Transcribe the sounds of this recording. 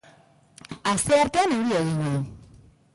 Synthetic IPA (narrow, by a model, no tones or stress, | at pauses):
ast̪eaɾt̪e̞ane̞wɾieɣ̞iɲen